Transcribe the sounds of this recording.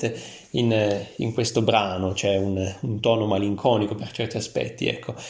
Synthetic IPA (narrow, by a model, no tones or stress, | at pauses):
t̪e | inḭŋkwest̪obɾaːnot͡ʃɛununt̪ɔːnomaliŋkʰɔːnikopert͡ʃɛrt̪iaspɛ̰t̪ːḭɛ̰kʰːo